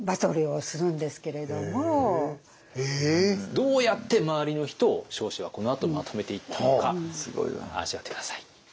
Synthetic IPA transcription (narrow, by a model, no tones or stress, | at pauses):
bat̪o̞ɾɯosɨɾɯ̟̃nd̪e̞sɨ̥ke̞ɾe̞d̪o̞mo | ed̪o̞ːjat̪ːe̞maβaɾʲino̞çi̥t̪o̞ɕo̞ːɕiβako̞no̞at̪omat̪ʰo̞me̞t̪e̞it̪ʰːanokasɨɡo̰ḭa̰ʑiβat̪ekd̪̥ḁsai̥